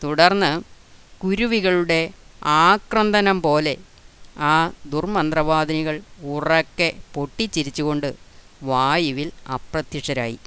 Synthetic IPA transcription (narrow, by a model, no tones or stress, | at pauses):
t̪uɽɐrnːɨ | kuɾuʋiɣɐɭuɽe̞aːkrɐnd̪ʱɐnɐmpo̞ːle̞ | aːd̪urmɐnd̪rɐʋaːd̪ʱɐniɣɐɭurɐkːe̞po̞ʈːit͡ɕːiɾit͡ɕːuɣo̞ɳɖɨʋaːjiʋilɐ̰prɐt̪jiʂɐɾa̰ːjḭ